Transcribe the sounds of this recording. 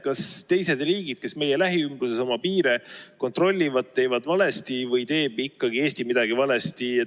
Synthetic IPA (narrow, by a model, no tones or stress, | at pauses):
kɑst̪e̞jse̞d̪̥riːɡid̪̥̚ke̞sme̞je̞læɦiymbɾuse̞so̞mɑpiːɾe̞ko̞nt̪ro̞lʲːivɑd̪̥̚t̪e̞ːvɑd̪vɑle̞st̪ivɤjt̪e̞ːb̥ikːɑɡ̥ie̞ːst̪imid̪̥ɑɡ̥ivɑle̞st̪ie